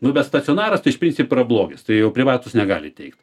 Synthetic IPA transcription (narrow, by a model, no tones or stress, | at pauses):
nʊbʲɛt̪st̪ɐt͡sʲoːnɑːɾɐst̪ɐɪʃpʲɾʲinʲt͡sʲɪpoɪɾɐblˠoːɡʲɪst̪ɐɪjɛʊpʲɾʲɪʋɑːt̪ʊsnʲɛɡɑ̰ːlʲɪ̰t̪ʲɛɪkt̪